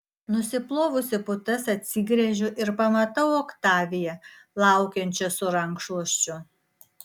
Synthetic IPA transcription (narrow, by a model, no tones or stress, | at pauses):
nʊsʲɪplˠoːʋʊsʲɪpʊt̪ɐsɐt̪ʲsʲɪɡɾʲɛʒʲʊʔɪɾpɐmɐt̪ɐʊoːkt̪ɑːʋʲɪjɛ | lˠɑˑʊkʲɛnʲt͡ʃʲɛsʊɾɐŋkʃuɔʃʲt͡ʃʲʊ